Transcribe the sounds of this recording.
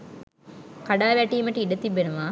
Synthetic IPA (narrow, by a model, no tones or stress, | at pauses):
kaɖaːʋæʈiːməʈəiɖət̪ibːenuʋa